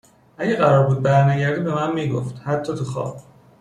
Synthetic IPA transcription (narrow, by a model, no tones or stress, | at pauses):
ʔæɟeɢæɾɒːɾbuːd̪̚bæɾnæɟæɾd̪iːbe̞mænmiːɡo̰ft̪hæt̪ʰːɒːt̪ʰuxɒ̰ːb̥̚